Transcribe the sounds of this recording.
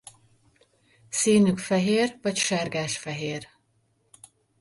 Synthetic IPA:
siːnykfɛɦeːrvɒcʃɛrɡaːʃfɛɦeːr

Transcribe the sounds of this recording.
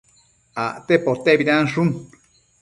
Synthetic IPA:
aʔt̪epot̪eʔbiɾanʂ̬un

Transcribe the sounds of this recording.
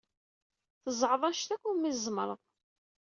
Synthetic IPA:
θəzˤʕðˤɑʃt̪ækʷːumizˤməɾˤəðˤ

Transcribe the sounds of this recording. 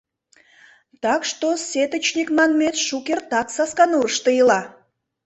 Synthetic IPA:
t̪ɑkʃt̪oset̪ət͡ɕnʲikmɑnmet̪ʃukert̪ɑksɑskɑnuəʃt̪əjəlɑ

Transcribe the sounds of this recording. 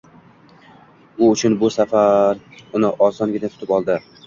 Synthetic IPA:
ʊʊt͡ʃʰʊnbʊsafaɾʊnɪʔɒsɒnɡʲɪnat̪ʰʊ̥t̪ɪpɒlˠd̪ɪ

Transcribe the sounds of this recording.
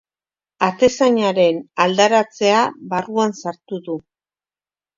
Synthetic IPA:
at̪e̞saɲaɾe̞nald̪aɾat͡se̞aβaruansaɾt̪uðu

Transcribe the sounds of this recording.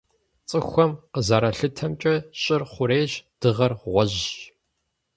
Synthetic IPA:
t͡sʼɨxʷɔmqəzaɾɐɬɨtʰɐmt͡ʃʼɐɕʼɪrχʷʊɾeːʑd̥ɨʁɐrʁʷɔʑ

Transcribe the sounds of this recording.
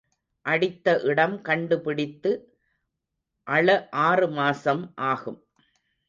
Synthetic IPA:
ʔɐɽɪt̪ːɐʔɪɽɐmkɐɳɖɯpɪɽɪt̪ːɯ | ʔɐɭɐʔaːrɯmaːsɐmʔaːɣɯm

